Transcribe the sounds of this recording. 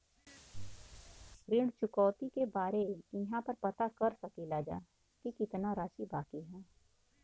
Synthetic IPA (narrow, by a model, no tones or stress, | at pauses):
ɾɪɽt͡ʃʊkɔːt̪ikebaːɾeɪɦãpɐɾpɐt̪akɐɾsɐkilaːd͡ʒa̰ː | kikɪt̪naɾaːʃibaːkiɦɛː